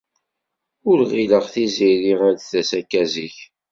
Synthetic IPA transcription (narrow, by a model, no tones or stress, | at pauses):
ʊɾʁiləʁθiziɾiʁæɾθæsækːæziç